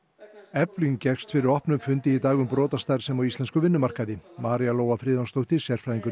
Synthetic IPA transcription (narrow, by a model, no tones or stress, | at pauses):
ɛpliŋcɛxst̪fɪɾɪɾɔhpnʏmfʏnt̪ɪit̪aːɣʏmpɾɔːt̪ast̪ajɾ̥sɛmawist̪lɛnskʏvɪnːʏmar̥kaðɪmaːɾialoːwafɾɪːðanst̪owht̪ɪsjɛɾ̥fɾajðiŋkʏ